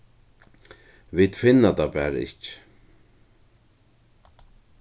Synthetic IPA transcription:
vid̪fɪnːat̪apæːɾaɪ̰c

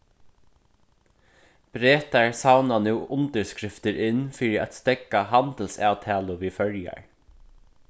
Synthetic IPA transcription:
b̥ɾeːt̪aɹsawnanuːʊnt̪əɹskɾɪft̪əɾʔɪnfiːɾɪʔa̰t̪st̪ɛkahant̪əlsɑːwt̪ʰæːlʊʋiːfœɹja̰ɹ

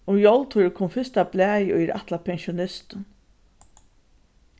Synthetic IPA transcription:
ʊmjɔlt̪huɾəkʰʊmfɪst̪ablæːjʔʊ̰jɾʔa̰ht̪lapʰɛnʃʊnɪst̪n

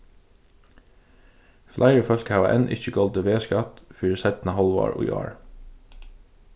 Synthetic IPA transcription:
flʔæɪɹəfœlkhɑːʋɑʔɛ̰nʔɪ̰çəɡɔld̪əʋeːskɑt̪fyːɹəsæt̪n̩ɑhɑlʋɑ̰ːɹʔo̰ːjɑ̰ːɹ

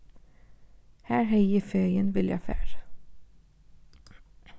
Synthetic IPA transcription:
hæːɹhœʏəfœʏənʋɪljæ̰fæ̰ːɾə

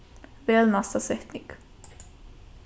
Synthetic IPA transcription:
veːlnast̪asɛt̪nɪŋɡ

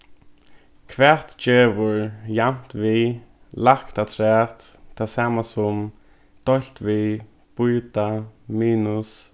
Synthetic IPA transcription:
kʰvɛt̪t͡ʃeːʋʊɹjam̥t̪vi | lakt̪at̪ʰɾɛːt̪t̪ʰːasaːmasʊm | d̪̥ɔl̥t̪vi | b̥ʊjt̪amiːnʊs

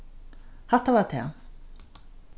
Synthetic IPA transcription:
haht̪avaɾt̪ʰɛ̰

